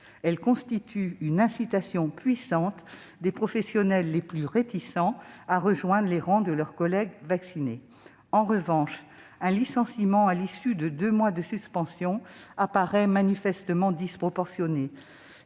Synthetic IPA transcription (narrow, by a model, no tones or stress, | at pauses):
ɛlkɔ̃st̪it̪ʰyynɛ̃sit̪asjɔ̃pɥisɑ̃t̪ | d̪epχɔfɛsjɔnɛlːeplyʁet̪isɑ̃aʁəʒwɛ̃d̪ʁleʁɑ̃d̪əlœʁkɔlɛɡvaksine | ɑ̃ʁəvɑ̃ʃ | ɛ̃lisɑ̃simɑ̃alisyd̪əd̪ømwad̪əsyspɑ̃sjɔ̃apaʁɛmanifɛst̪əmɑ̃d̪ispχɔpɔʁsjɔne